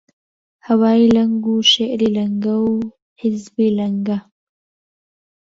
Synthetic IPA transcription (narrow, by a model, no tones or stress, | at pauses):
hawɑːilaŋɡuʃeʔɾilaŋɡaw | hɪzbilaŋɡa